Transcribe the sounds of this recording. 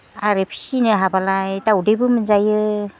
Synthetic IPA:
aɾepʰsinɯɦabalajtaudejbɯmɯnzajɯ

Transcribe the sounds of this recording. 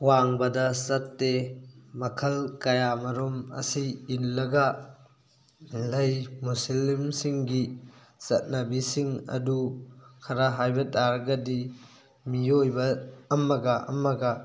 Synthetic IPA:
waŋbɐdɐsɐtːemɐkʰɐlkɐjamɐɾɔmɐ̰siːnlɐɡa | lɐjmusilmsiŋɡi | sɐ̰t̚nabisiŋɐ̰dukʰɐɾaɦajbɐtaɾɡɐdi | mijojbɐːmɐɡaʔɐ̰mɐɡa

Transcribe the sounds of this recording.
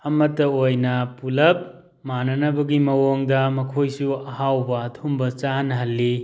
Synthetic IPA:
ɐmɐtːɐojnɐpulɐp̚ | manɐnɐbɐɡimɐwoŋdɐmɐkʰojsuɐhawbɐːtʰumbɐt͡ʃanɦɐlːi

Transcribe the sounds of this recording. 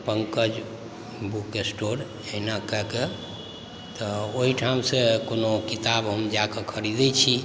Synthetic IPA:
pəŋkəd͡ʒ | bukesʈoɾ | eɦnakəɦke | t̪ɔoɦiʈʰamsekonokit̪abɦəmd͡ʒakekʰəɾid̪ɛt͡ʃʰi

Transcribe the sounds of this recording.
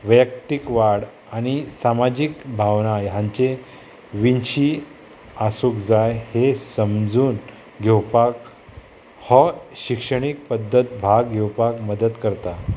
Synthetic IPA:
ʋjəkt̪ikʋaɽ | añisamad͡ʑikbʱaʋnajãɲt͡ɕe | ʋinɕiː | asukd͡zajhesəmd͡zuːn | ɡʱewpak | hɔɕikʂəɳ̃ik̚pəd̪ʱːət̪̚bʱaɡɡʱewpakməd̪ət̪kəɾt̪a

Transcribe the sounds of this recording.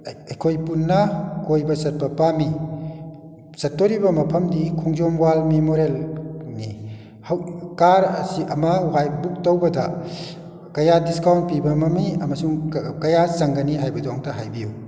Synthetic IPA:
ɐjkʰojpunːɐkojbɐsɐt̚pɐpami | sɐt̚ːoɾibɐmɐpʰɐmdikʰuŋzomwalmemoɾelni | hawkaɾɐ̰siʔɐmɐuɦajbuk̚towbɐda | kɐjadiskawnt̚pibɐmɐmiɐmɐsuŋkɐjasɐŋɡɐniɦajbɐduaŋtɐɦajbiju

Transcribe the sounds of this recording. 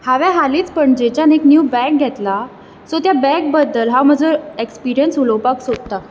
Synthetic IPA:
haʋaɦaliːt͡spəɳd͡ʑet͡ɕaneknjuːbɛk̚ɡʱɛt̪la | sot̪jabɛk̚bəd̪ːəlɦãwm̤əd͡zoekspiɾijənsulopaksod̪̚t̪a

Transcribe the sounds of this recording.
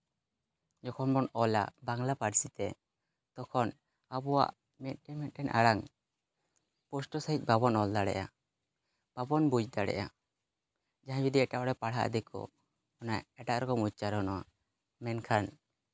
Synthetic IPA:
d͡ʒɔkʰɔnbɔnɔla̰baŋlapaɽsit̪ɛ | t̪ɔkʰɔn | abɔwa̰ʔ | mɛt̪̚ˀʈɛmɛt̪̚ʈɛnʔaɽaŋ | pɔsʈɔsaic̚ˀbabɔnɔld̪aɽɛ̰ʔa̰ | b̥abɔnbud͡ʒd̪aɽɛ̰ʔja | d͡ʒaɦãd͡ʒud̪iɛʈaʔɔɽɛpaɽɦa̰ʔd̪ɛkʰɔ̰ | ɔnajɛʈaʔɾɔkɔmut͡ʃaɾɔnɔwa̰ | mɛnkʰan

